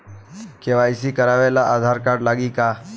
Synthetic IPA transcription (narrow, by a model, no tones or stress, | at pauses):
kĩʋaisiːkəɾaʋelaʔad̪ʱaɾkaɾɖlaɡiːka